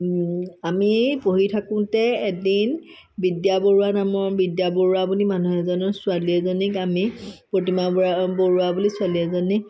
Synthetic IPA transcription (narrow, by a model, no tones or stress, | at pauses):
amipoɦitʰakʊ̃tɛedin | bidjaboɹuanamɔɹbidjabɔɹuabunimanuɦɛzɔnɔsʊaliɛzɔnikamipɹotimaboɹuabulisʊaliɛzɔnik̚